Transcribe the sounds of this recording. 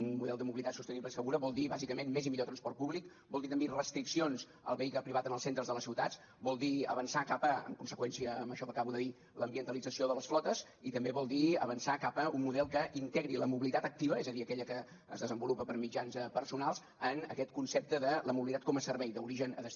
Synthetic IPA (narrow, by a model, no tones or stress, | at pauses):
unmuðɛlˠd̪əmuβilit̪atsust̪əniβləisfəɣuɾəβɔlˠd̪iβazikəmenmezimiʎot̪ɾənspɔrt̪̚puβlik | bɔlˠd̪it̪əmbirəst̪ɾiksionz | ə̰lˠβəikləpɾiβat̪ənəlˠsent̪ɾəzðələsiwt̪ats | bɔlˠd̪iə̰βənsakapəə̰ŋkunsəkwɛnsiəəmbəʃɔkəkaβuðəði | ləmbiənt̪əlid͡zəsioðələsflɔt̪əz | it̪əmbeβɔlˠd̪iə̰βənsakapəummuðɛlˠkəʔint̪ɛɣɾiləmuβilit̪at̪ək̚t̪iβ̞əɛzəðiəkɛʎəkə | ə̰zðəzəmbulupəpəɾmid͡ʒanzpəɾsunalˠz | ənə̰kɛt̪kunsep̚t̪əðələmuβilit̪at̪̚kɔməsəɾβɛjðəuɾiʒənə̰ðəs